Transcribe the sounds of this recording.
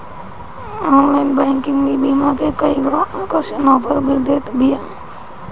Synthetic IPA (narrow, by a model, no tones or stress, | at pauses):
ɔːnlaɪnbɛ̃ːŋkɪ̃ŋɡmibiːmakekɐiɡaaːkəɾʃənɔːpʰəɾbʱid̪eːt̪bija